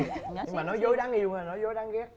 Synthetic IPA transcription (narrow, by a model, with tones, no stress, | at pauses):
ɲɨ˧ŋmaː˨˩nɔ˨˦jzo˨˦jɗaː˨˦ŋʔi˧əwŋəː˨˩nɔ˨˦jzo˨˦jɗaː˨˦ŋɣɛ˦˥